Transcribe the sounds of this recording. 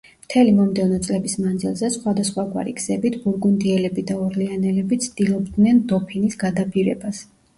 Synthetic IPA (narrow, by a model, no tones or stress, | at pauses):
mt̪ʰɛlimɔmd̪ɛvnɔt̪sʼlɛbismand̪zilˠzɛsχwad̪asχwaɡwa̰ɾḭɡz̥ɛbit̪ʰbuɾɡund̪iɛlɛbid̪aɔɾlianɛlɛbit̪sʰd̪ilˠɔbd̪nɛnd̪ɔpʰinisɡad̪apʰiɾɛ̰bas